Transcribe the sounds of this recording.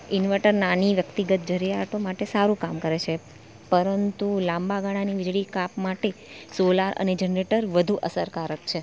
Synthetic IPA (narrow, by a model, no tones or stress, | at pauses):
ɪnʋəʈəɾnaniʋjəkt̪iɡət̪̚d͡ʒəɾijaʈomaʈesaɾũkamkəɾet͡ʃʰe | pəɾənt̪ulãmbaɡaɽ̃aniʋɪd͡ʒɭikapmaʈe | solaɾʔə̰ned͡ʒənɾeʈəɾʋəd̪ʱuʔəsəɾkaɾəkt͡ʃʰe